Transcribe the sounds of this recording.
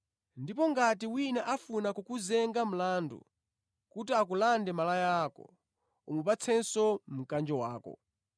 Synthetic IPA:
ndipɔŋɡatiwinaʔafunakukuzɛŋɡam̩laːndṵ | kutiak̬ulandɛmalajaːkɔ̰ | umupat͡sʰɛnsɔm̩kand͡ʒɔwaːkɔ̰

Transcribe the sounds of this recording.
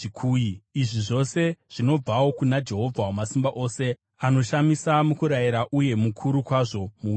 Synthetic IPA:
ikʰuːiiʐiʐo̞se̞ʐ̥ino̞b͡vawo̞kunad͡ʒe̞ɦo̞vʱawamasimbaʔo̞se̞ | ano̞ʃamisamukuɾajiɾaʔuje̞mukʰuɾukwaʐo̞mu

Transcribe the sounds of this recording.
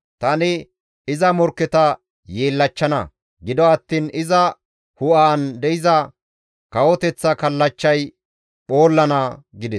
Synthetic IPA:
t̪ɐnɪ | ɪzɐmɔɾkːɛt̪ɐ | jeːlːɐt͡ʃːɐnɐ̰ | ɡɪd̪ɔɐt̪ːiːnɪzɐ | hʊʔaːnd̪ɛɪzɐ | kɐwɔt̪ɛt͡sːɐkɐlːɐt͡ʃːɐj | ɓo̞ːlːɐnɐɡɪd̪ɛs

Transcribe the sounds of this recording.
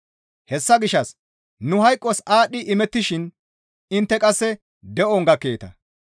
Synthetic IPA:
hɛsːɐɡɪʃɐs | nʊhɐjkʼːɔsaːɗɪʔɪmɛt̪ːɪʃɪn | ɪnt̪ːɛkʼɐsːɛ | d̪ɛʔɔŋɡɐkːe̞ːt̪ɐ̰

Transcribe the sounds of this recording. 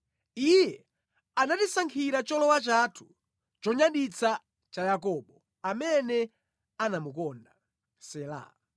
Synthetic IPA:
ijɛ | anatisaŋkʰiɾat͡ʃɔlɔwat͡ʃatʰu̥ | t͡ʃɔɲaɗit͡sʰa | t͡ʃajak̬ɔːɓɔ | amɛnɛ | anamukɔnda | sɛla̰

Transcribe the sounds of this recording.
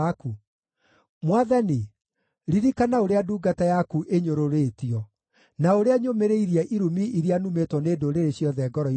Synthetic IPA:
ku | mwaðani | ɾiɾikanaoɾeaduːɡatajakuʔeɲoɾoɾetiɔ | naoɾeaɲomeɾeiɾiaʔiɾumiʔiɾianumetwɔneːdoɾeɾeɕjɔðɛɡɔɾɔ

